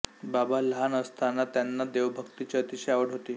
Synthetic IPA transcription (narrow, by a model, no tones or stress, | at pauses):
babalɦanəst̪anat̪janːad̪eʋbʱəkt̪it͡ɕeət̪iɕəjaʋəɽɦot̪iː